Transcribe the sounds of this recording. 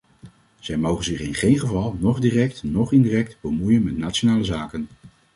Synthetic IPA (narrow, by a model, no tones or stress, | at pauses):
z̥ɛjmowχənzɪχɪnχejnχəvɑlˠnɔχdiːrɛktnɔχɪndiːrɛktb̥əmujənmɛtnaːtt͡ʃonaːləzaːkən